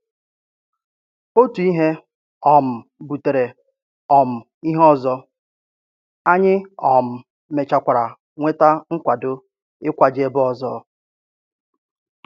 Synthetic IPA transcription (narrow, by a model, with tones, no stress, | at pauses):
o˦tu˨i˦ɦe˦ | ɔ˨m̩˨bu˨te˨ɾe˨ | ɔ˨m̩˨ | i˦ɦɔ˦zɔ˦ | a˦ɲɪ˦ɔ˨m̩˨ | me˨t͡ʃa˨kʷa˨ɾa˨ | ŋʷe˦ta˦ŋ̩˦kʷa˨dʊ˦ | ɪ˦kʷa˨d͡ʒe˦bʊ˦ɔ˨zɔ̰˦